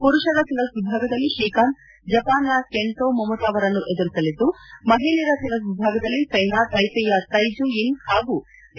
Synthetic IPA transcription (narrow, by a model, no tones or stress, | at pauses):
puɾuʂɐɾɐt̪ilɐsʋibʱaːɡɐd̪ɐlːiʃiːkaːn | d͡ʒɐpaːnɐkeɳʈoːmɐmɐt̪aːʋɐɾɐnːuʔe̞d̪uɾisɐlid̪ːumɐɦiliɾɐt̪ilɐs̬ʋibʱaːɡɐd̪ɐlːit͡ʃɐjnaːt̪ɐjpɛjɐt̪ɐjd͡ʒuinhaːɡu